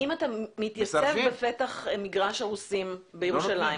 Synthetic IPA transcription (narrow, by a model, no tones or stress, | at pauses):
imatamit̪jasevbefet̪aχmiɡʁaʃaʁusimbejeʁuʃalaj